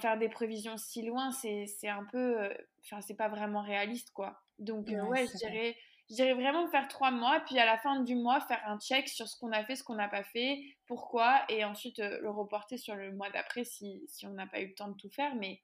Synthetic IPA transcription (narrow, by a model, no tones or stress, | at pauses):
fɛʁd̪epχevizjɔ̃silwɛ̃sɛsɛɛ̃pøøɑ̃fɛ̃sɛpavʁɛmɑ̃ʁealist̪kwa | d̪ɔ̃kwɛʒəd̪iʁɛ | ʒəd̪iʁɛvʁɛmɑ̃fɛʁt̪χwamwapɥialafɛ̃d̪ymwafɛʁɛ̃t͡ʃɛksyʁsə̥kɔ̃nafɛsə̥kɔ̃napafɛpuʁkwaeɑ̃sɥit̪øləʁəpɔʁt̪esyʁləmwad̪a̰pχɛsisiɔ̃napa̰ylət̪ɑ̃d̪ət̪ufɛːʁmɛ